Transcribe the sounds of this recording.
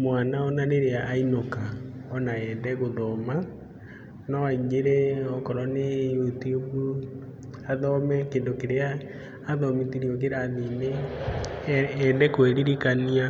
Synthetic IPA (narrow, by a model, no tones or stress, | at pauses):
mwanaɔnaneɾeaʔːinokaɔnaɛndɛɣoðɔma | nɔaiɡeɾɛɔkɔɾɔnejutubu | aðɔmɛkeːndokeɾeaː | ðɔmitiɾiɔk̬eɾaðine | ɛndɛkweɾiɾikania